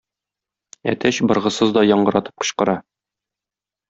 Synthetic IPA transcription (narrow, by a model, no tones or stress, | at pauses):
æ̰t̪æɕbɤ̆ɾʁɤ̆sɤzd̪ɒjɒɴɢɤ̆ɾɑt̪ɤ̥p̚qɤ̥̆ɕqɤ̆ɾɑ